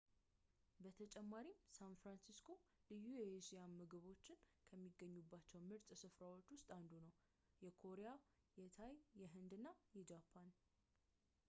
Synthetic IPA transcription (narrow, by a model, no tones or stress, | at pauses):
bət̪ʰət͡ʃʼɛmːaɾimsanfɾansiskʰo̞lɨjːujɛsijamːɨɡɨβo̞t͡ʃːɪnkʰəmːiɡːəɲːubːat͡ʃːɛwmɨɾt̪ʼsɨfɾawo̞t͡ʃːwʊst̪ʼand̪unəw | jɛkʰo̞ɾeja | jɛt̪ʰajjɛɦɨnd̪ɨnːajɛd͡ʒapʰːan